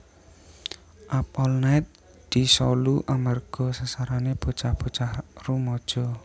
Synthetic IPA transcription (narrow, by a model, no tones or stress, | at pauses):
ʔapɔlnaɪt̪̚ | d̪̥i̤sɔluʔamarɡ̥ɔ̤sasaɾaneb̥o̤̥t͡ʃahb̥o̤̥t͡ʃahrumɔd̥ʒ̥ɔ